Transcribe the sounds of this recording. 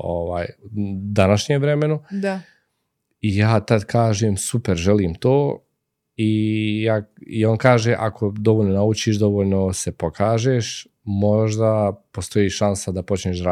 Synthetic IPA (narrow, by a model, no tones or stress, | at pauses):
oʋa̰ːjd̪anaʃɲeʋɾemenud̪a | ijaːt̪ad̪kʰaːʒeːmsupeɾʒeliːmt̪oː | ijaːio̞ːnkaːʒeʔakʰod̪oʋoːʎno̞naut͡ʃiːʃd̪o̞ʋoːʎno̞se̞pokʰaːʒeʃ | mo̞ʒd̪apost̪o̞jiːʃansad̪apo̞t͡ʃneːʃɾa